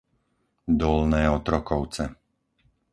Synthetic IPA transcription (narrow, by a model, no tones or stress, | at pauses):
d̪ɔlnɛːɔt̪ɾɔkɔʊt͡sɛ